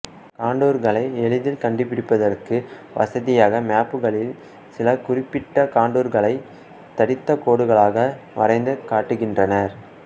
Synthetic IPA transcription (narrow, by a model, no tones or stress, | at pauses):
kaːɳɖuːɾɣɐɭɐɪɛɭɯðɪlkɐɳɖɯpːɪɽɪpːɐðɐrkɯʋɐ̰sɐðɪjaːɣɐmaːpːɯɣɐɭɪl | sɪlɐkʊrɪpːɪʈːɐkaːɳɖuːɾɣɐɭɐɪ | t̪ɐɽɪt̪ːɐkoːɽɯɣɐɭaːɣɐ | ʋɐ̰rɐɪnd̪ɯkaːʈːɯɣɪndrɐnɐɾ